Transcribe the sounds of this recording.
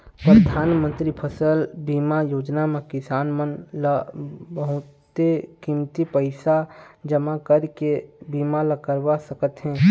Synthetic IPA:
pɾəd̪ʱaːnmə̃nt̪ɾipʰəsəlbiːmajoːd͡ʒnamẽkɪsaːnmənlbəɦʊt̪ekimt̪ipəɪsad͡ʒəmakəɾkebiːmaləkəɾʋasəkət̪ɦɛ̃ː

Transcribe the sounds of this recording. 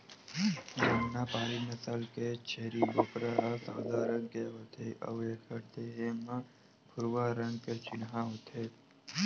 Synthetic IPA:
d͡ʒəmnaːpaːɾiməsalket͡ʃʰeːɾiɡoːpɾaasaːd̪ʱaɾə̃ŋɡkeɦət̪ʰeʔə̰ʋeːkʰəɾt̪eɦemã | pʰʊɾʋaɾə̃ŋɡket͡ʃɪnɦãɦot̪ʰe

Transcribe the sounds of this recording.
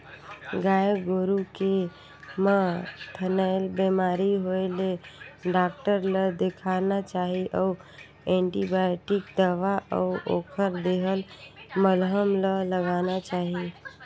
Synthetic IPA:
ɡaeɡoɾuke | mat̪ʰənaɪlbemaɾiɦoeleɖak̚ʈəɾləd̪ekʰanat͡ʃaɦiʔəu | ẽɳʈibaʈikd̪aʋaʔɔ̰uʔokʰəɾd̪eɦəlməlɦəmlələɡanat͡ʃaɦi

